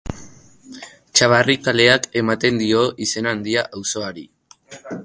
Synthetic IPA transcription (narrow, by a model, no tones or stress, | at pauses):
t͡ʃaβarikale̞ake̞mat̪e̞nd̪io̞ʔise̞naːnd̪iaʔawso̞aɾi